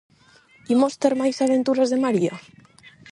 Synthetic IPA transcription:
imost̪eɾmajsaβent̪uɾazðemaɾia

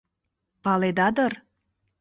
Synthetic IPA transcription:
pɑled̪ɑd̪ɤr

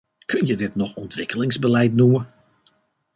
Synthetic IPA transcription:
kʰɵnjədɪtnɔxɔntʰʋɪkəlɪŋzbəlɛjtnumə

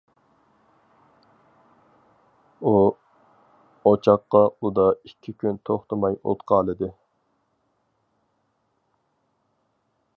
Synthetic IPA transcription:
u | ot͡ʃʰɑqːɑud̪ɑikʲʰːikʲʰynt̪ʰoχt̪ɨmɑjo̰t̪qʰɑːlˠɨd̪ɨ

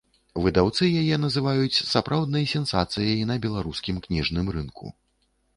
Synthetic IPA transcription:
vɨd̪awt̪sɨjajɛnɐzɨvajut͡sʲsapɾʔawd̪nɐjsʲɛnsa̰t̪sɨjɐjnɐbʲɛlˠaɾuskʲimknʲiʐnɨmɾɨnkʰṵ

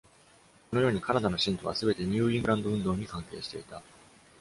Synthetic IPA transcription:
konojo̞ːɲ̟ikanad̪ano̞ɕĩnt̪o̞β̞a̰sɨbe̞t̪e̞ɲ̟ʲɯːĩŋɡɯɾãnd̪o̞ɯ̟̃nd̪o̞ːɲ̟ikãŋke̞̰ːɕi̥t̪e̞it̪a

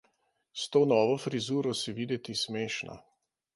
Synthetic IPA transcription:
st̪oːnɔːʋɔfɾizuːɾɔsiʋid̪ɛt̪ismeːʃnʔa̰

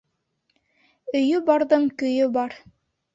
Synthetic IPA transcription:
ɵ̆jɵbɑɾðɤɴkɵ̆jɵbɑɾ

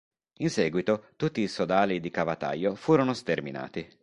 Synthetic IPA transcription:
insɛːɡwit̪ot̪ut̪ːiːsod̪aːlid̪ikavat̪a̰jːofuːɾonost̪ermḭna̰ːt̪i

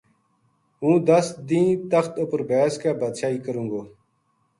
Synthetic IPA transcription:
ũːd̪əsd̪ĩːt̪əxt̪opəɾbeːskaːbad̪ʃaːiːkəɾũːŋɡoː

